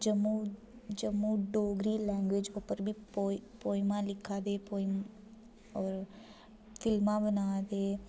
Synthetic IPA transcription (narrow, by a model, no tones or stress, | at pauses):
d͡ʒəmːu | d͡ʒəmːuːɖoːɡɾiːlɛ̃ːŋɡʋed͡ʒoːpəɾbʱiːpoːpoːimãːlɪkʰːaːd̪eːpoːim | ɔːɾ | fʰɪlmãːbənaːd̪eː